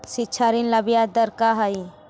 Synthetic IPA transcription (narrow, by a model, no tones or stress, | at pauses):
sit͡ʃʰaɾinlɐbijad̪əɾkaɦai